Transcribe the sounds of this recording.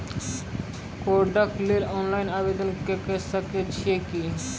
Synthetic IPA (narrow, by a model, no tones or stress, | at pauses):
koɾɖakleɾɔnlajnabed̪onkekesaket͡ɕʰieki